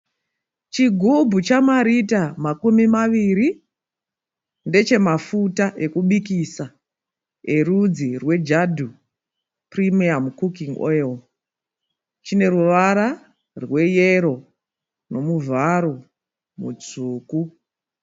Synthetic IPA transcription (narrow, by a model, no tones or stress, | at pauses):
t͡ʃiɡʱubʱut͡ʃamaɾitamakumimaʋiːɾi | nde̞t͡ʃe̞mafutaʔe̞kuɓikisa | e̞rud͡zirwe̞d͡ʒadʱu | primiamkukiŋɡo̰jel | t͡ʃine̞ɾuʋaɾa | rwe̞jeɾo̞ | no̞muvʱaɾo | mṵd͡zuːku